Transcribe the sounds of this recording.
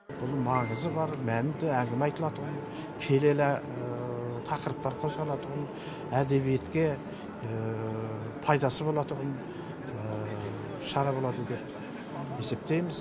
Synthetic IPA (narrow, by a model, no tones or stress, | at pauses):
b̥ʊlˠmɑɴəzəbɑɾmænd̪ɪæŋɡʲɪmeɑjt̪əlˠɑt̪ʰʊʁən | kʲʰe̞le̞læ | t̪ʰɑqəɾəp̚t̪ɑɾqʰo̞zʁɑlˠɑt̪ʰʊʁən | æd̪e̞βije̞t̪kʲe̞ | pʰɑjd̪ɑsəbo̞lˠɑt̪ʊʁən | ʃɑɾɑbo̞lˠɑd̪əd̪e̞p̚ | e̞se̞p̚t̪e̞jmɪz